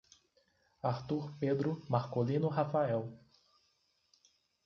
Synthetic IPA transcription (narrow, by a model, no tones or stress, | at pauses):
aɾt̪uɾped̪ɾʊmaɾkolĩnʊɦafaɛw